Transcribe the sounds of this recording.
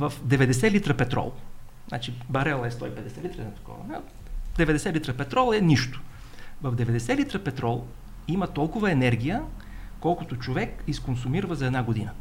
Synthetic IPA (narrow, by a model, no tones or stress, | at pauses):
vɐfd̪ɛvɛd̪ɛsɛlit̪ɾəpɛt̪ɾɔ̰lˠ | znʔa̰t͡ʃibɐɾɛlˠɛst̪ɔipɛd̪ɛsɛlit̪ɾɐnɛt̪ɐ̥kɔ̰vɐ̰nɛ | d̪ɛvɛd̪ɛsɛlit̪ɾəpɛt̪ɾɔlˠɛniʃt̪ʊ̥ | vɐvd̪ɛvɛd̪ɛsɛlit̪ɾəpɛt̪ɾɔlˠ | imɐt̪ɔlˠkʊvɐɛnɛɾɡ̟ijəkɔlˠkʊt̪ʊt͡ʃovɛkiskonsʊmiɾvəzɐɛd̪naɡod̪inə